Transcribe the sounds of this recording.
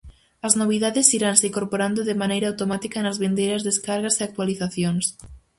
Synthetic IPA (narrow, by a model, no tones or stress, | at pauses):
ɐznoβ̞iðaðɪsiɾanseiŋkoɾpoɾand̪oðemanejɾaawt̪omat̪ikɐnɐzβend̪ejɾɐzðeskaɾɣɐseak̚t̪waliθaθjoŋs